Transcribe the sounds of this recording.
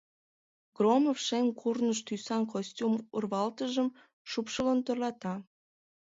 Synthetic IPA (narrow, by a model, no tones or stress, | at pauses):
ɡ̥romofʃeŋkʰurnəʃt̪ysɑnkosʲtʲumurβɑlt̪əʒəm | ʃupʃəlont̪ərlɑt̪ɑ